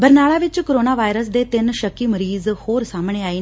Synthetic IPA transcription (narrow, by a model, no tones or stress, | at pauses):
bəɾnaːɭaːʋɪt͡ʃkəɾoːnaːʋaːjɾəs̬d̪eːt̪ɪnʃəkːiːməɾiːzhoːɾsaːmɳ̃eːaːiː